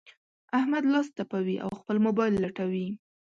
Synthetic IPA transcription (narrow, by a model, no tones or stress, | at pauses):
ahmad̪lɑst̪apawiʔa̰wxpəlmobɑjlːaʈawi